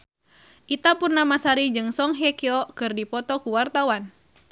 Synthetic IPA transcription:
ʔit̪apurnamasaɾid͡ʒɨŋsɔŋɦɛkɛɔkɨrdipɔt̪ɔkuwart̪awan

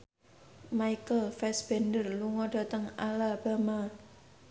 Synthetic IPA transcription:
maikəlfɛsb̥ɛndərluŋɔɖ̥a̤t̪əŋalab̥a̤ma

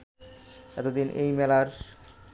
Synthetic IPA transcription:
ɛt̪od̪inʔejmɛlaɾ

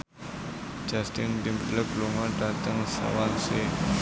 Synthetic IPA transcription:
d͡ʒast̪ɪndimləkluŋaɖat̪əŋsa̰wanse

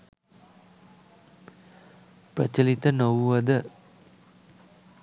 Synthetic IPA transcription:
pɾɐ̰t͡ʃɐlit̪ɐnɐʋuʋɐd̪ɐ

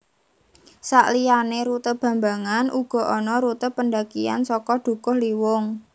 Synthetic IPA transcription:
sa̰ʔlijaneɾut̪əb̥ä̤mbaŋanʔuɡ̥ɔ̤ʔɔnɔɾut̪əpənɖakia̰nsɔkɔd̪̥ṳkʊhliwʊŋ

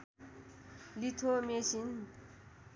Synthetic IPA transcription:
lit̪ʰomeɕin

